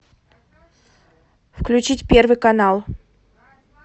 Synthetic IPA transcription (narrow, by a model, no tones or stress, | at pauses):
fklʲʉt͡ɕitʲpʲervɨjkɐnalˠ